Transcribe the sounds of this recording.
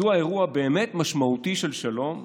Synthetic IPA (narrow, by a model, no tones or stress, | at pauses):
uae̞ʁuabeːmetmaʃmautiʃe̞lʃalo̞m